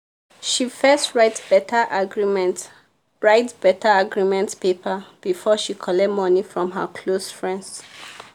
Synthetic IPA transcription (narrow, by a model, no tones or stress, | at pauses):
ʃifɜstɹatbɛtaʔaɡɹimɛnt | ɹaɪtbɛtaaɡɹimɛ̃ntpepʰab̥ifɔʃikʰɔlɛmɔnifɹɔ̃mɦə̰kʰlosfɹɛ̃nds